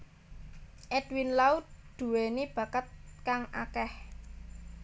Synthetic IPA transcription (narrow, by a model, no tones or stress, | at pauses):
ʔɛd̥winlaut̪̚d̪̥ṳwenib̥a̤kət̪̚kaŋʔa̰kɛh